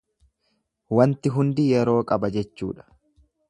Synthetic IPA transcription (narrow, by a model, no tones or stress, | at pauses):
wɐnt̪ɪɦʊnd̪ɪjɛɾo̞ːkʼɐbɐd͡ʒɛt͡ʃːṵːᶑɐ̥